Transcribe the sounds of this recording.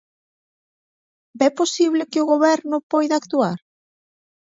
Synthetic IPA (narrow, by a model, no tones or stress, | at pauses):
bɛposiβlɪkɪʊɣoβɛɾnʊpɔjðakt̪uaɾ